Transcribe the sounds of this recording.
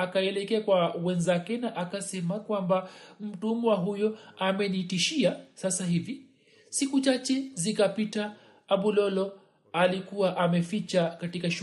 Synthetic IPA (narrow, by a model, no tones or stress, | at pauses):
akaɛlɛkɛakwawɛnzakɛnaʔakasɛmakwambam̩tumuwaɦujɔamɛnitiʃiasasaɦivi | sikut͡ʃat͡ʃɛzikapitaː | ɓulɔlɔ | alikuwaʔamɛfit͡ʃakatikaʃ